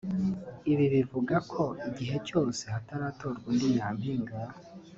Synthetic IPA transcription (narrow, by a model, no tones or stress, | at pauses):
iβiβivuɡakʰo̞iɟiɦe̞co̞ːse̞hataɾaːto̞ɾɡwindijaːmhiːŋɡaja